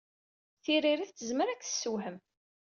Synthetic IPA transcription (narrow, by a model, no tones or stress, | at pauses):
θiriɾiθt̪ːəzməɾækːθə̥sːuwhəm